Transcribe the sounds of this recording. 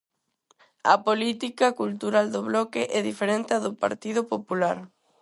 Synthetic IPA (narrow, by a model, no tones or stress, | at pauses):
a̰polit̪ikakult̪uɾald̪oβlɔkeʔɛðifeɾẽnt̪eaðopa̰ɾt̪iðopopulaɾ